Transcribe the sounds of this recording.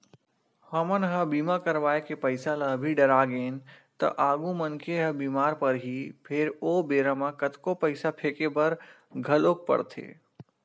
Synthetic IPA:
hɐmənɦəbiːmakəɾʋaːekepɐɪsaləbʱiɖɐɾaːɡeːnt̪ɐ̰ʔaːɡumənkʰeɦəbiːmaːɾpɐɾɦipʰɪɾoːbeːɾamãkɐt̪kopɐɪsapʰeːkebɐɾ | ɡʱɐloːk̚pɐ̰ɽt̪ʰḛː

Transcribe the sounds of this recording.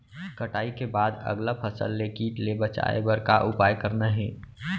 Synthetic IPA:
kəʈaːikebaːd̪ɐ̰ɡlapʰəsə̰lːekiːʈlebət͡ʃa̰ḛbəɾkaʔʊpaːjkəɾnaɦɛ̃ː

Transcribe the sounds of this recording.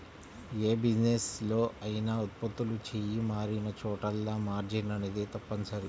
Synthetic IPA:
eːbid͡ʒneslo̞ːʔɐjinaot̪̚pɐt̪ːulut͡ʃeːjimaːɾinɐt͡ʃɔːʈɐlːaːmaːɾd͡ʒinɐned̪et̪ɐpːɐnusɐɾi

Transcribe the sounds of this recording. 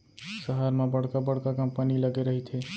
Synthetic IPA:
səɦəɾmẽbəɽ̤kabəɽ̤kakəmpəniləɡeɾəɦit̪ʰe

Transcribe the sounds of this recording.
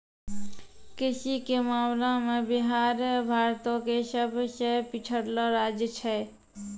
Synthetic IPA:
kɪʃikemaːmlãmẽbɪɦaːɾbʱaːɾt̪õkeʃəbʱʃepɪt͡ʃʰəɾloɾaːd͡ʒət͡ʃʰɛ

